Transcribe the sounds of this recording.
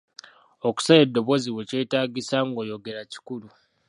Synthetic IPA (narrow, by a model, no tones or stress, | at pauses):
oku̥sajedːo̞βo̞ziwece̞ːtaːɟisaŋɡo̞ːjo̞ɡe̞ɾaci̥kulu